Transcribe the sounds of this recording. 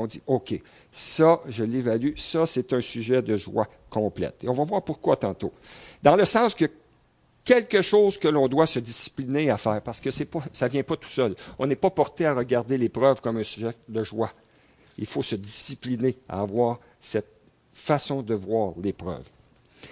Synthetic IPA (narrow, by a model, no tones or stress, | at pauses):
ɔ̃d͡zziokʰʲe | sʌʒəlːevalysʌsɛt̪œ̃syʒɛd̪əʒwa̰ | kɔ̃plɛ̰t̪eɔ̃vavwaːʁpuʁkwat̪ɑ̃t̪od̪ɑ̃ləsɑ̃ːskə | kʲɛlkəʃoːz̥kəlɔ̃d̪wasəd̪d͡zisi̥plineafɛːʁpaʁsə̥kəsɛpʌsavjɛ̃pʌt̪u̥sœlɔ̃nɛpɔpɔʁt̪eaʁəɡʲaʁd̪elepʁœvkɔmɛ̃syʒɛd̪əʒwa | ilfosədd͡zisiplinea̰ːvwaːʁ | sɛt̪̚ | fasɔ̃d̪əvwaːʁlepʁœ̰v